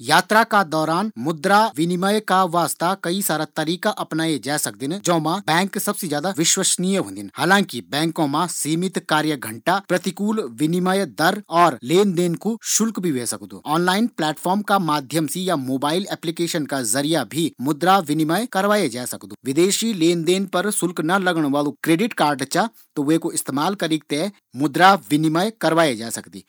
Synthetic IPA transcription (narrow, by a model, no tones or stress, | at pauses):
jaːt̪ɾakad̪ɔːɾaːnmʊd̪ɾaʋɪnɪmajkaʋaːst̪akɐisaːɾat̪ɐɾiːkaʔɐpnaːed͡ʒaːsɐk̚d̪ɪnd͡ʒɐ̃ːmãbɛ̃ːŋksɐbsed͡ʒjaːd̪aʋɪʃwəʃnijəɦõ̰ːnd̪inhaːlãːŋkibɛ̃ːŋkõmãsiːmɪt̪kaːɾjəɡʱɐ̃ɳʈapɾɐt̪ɪkuːlʋɪnɪmajd̪ɐɾɔːɾleːnd̪eːnkuʃʊlkbʱiʋeːsɐkd̪ṵːɔːnlaːɪnplɛːʈfʰɔːɾmkamaːd̪ʱjəmsijamoːbaːɪlɛːplikeːʃənkazɐɾijabʱimʊd̪ɾaʋɪnɪmajkɐɾʋaːed͡ʒaːsɐkd̪uːʋɪd̪eːʃileːnd̪eːnpɐɾsʊlknɐlɐɡɽ̃ʋaːlõkɾeːɖɪʈkaːɾɖt͡ʃa | t̪oʋekoɪst̪eːmaːlkɐɾiːk̚t̪eɦ | mʊd̪ɾaʋɪnɪmajkɐɾʋaːed͡ʒaːsɐkd̪ḭː